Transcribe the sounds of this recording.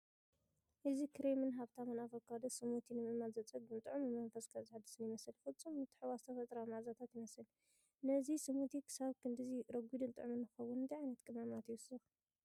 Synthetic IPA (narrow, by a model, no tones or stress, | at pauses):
ʔɨzikʰɨɾemɨnɦaβt̪ʰamɨnafɐkʰːad̪ɨsɨmut̪ʰinɨmɨmalzɐt͡sʼɨɡɨnt̪ʼɨʕumɨmɐnfɐskʰazɨħad̪ɨsɨnjɪmɐsɨlfɨlt͡sʼumːɨt̪ʰʼɨ̥ħwazt̪ʰɐfɐt̪ʼɾamaʕzat̪ʰat̪jɪmɐsɨl | nɐzisɨmut̪ʰikʰɨ̥saβkʰɨnd̪ɨziɾɐɡʷid̪ɨnt̪ʼɨ̰ʕumɨnɨxɐwːunɨnt̪ʰajʕajnɐt̪kʼɨmamat̪jiwɨsɨ